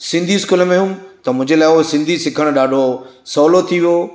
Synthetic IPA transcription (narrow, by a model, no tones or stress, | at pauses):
sɪ̃nd̪ʱiskuːləmẽɦũmt̪ɐmʊ̃ɦɪ̃ɲd͡ʑelaːɪosɪ̃nd̪ʱisɪkʰəɽ̃ɗaːɖʱosɔːlot̪ʰiʋijo